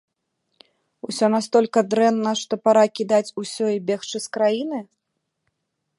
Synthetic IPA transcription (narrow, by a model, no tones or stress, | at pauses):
usʲɔnast̪ɔlʲkɐd̪ɾɛnːɐʂt̪ɔpaɾakʲid̪at͡sʲusʲɔibʲext͡ʂɨskɾajinɨ